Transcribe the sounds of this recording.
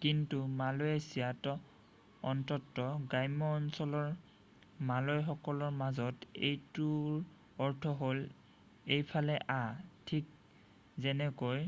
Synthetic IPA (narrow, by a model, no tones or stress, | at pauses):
kintumalojɛsiatɔ | ɔntɔtːɔɡajmɔːnsɔlɔɹ | malojɛxɔkɔlɔɹmazɔtḛjtuɹ | ɔɹtʰɔɦol | ejpʰalɛʔatʰik̚ | zɛnɛkoj